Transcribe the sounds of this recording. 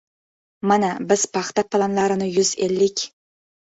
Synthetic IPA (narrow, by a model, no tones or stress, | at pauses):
manabɪz̥pʰɑχt̪ɑpʰɑlˠɑnlˠɑɾɨnɪjʊzelːɪkʲ